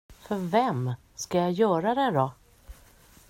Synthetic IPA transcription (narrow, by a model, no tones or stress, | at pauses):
fœɾvɛm | skajajœːɾad̪ɛd̪ɔ